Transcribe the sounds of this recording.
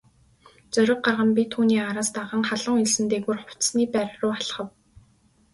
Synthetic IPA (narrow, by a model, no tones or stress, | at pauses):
t͡sœɾʲɪ̆q̚ɢarʁə̆mpʲit̪ʰːuːniːaɾaːst̪aʁə̆ːŋχaɮə̆ŋiɮsɘ̆nt̪eɣuːrχʊw̥t͡ssniːpæːɾrʊːaɮ̆χə̆w